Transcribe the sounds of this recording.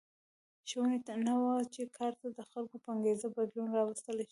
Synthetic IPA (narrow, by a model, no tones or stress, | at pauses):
ʃwənet̪anawat͡ʃekʰɑɾt̪ad̪əxalkopəaŋɡezabad̪lunɾɑwəst̪əleʃ